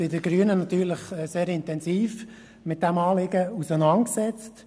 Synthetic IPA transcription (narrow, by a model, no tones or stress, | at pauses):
ɪdəɡɾyənənɑt̪yːɾlɪχɛseːɾɪntɛnziːf | mɪt̚d̥ɛmɑːlɪɡəusənɑnksɛt͡st